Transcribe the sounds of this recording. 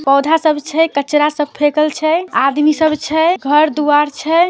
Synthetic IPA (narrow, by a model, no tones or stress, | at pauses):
pɔwd̪ʱasəbt͡ʃʰɛkət͡ʃɾasəb̚pʰekəlt͡ʃʰɛad̪misəbt͡ʃʰɛɡʱəɾd̪uaɾt͡ʃʰɛ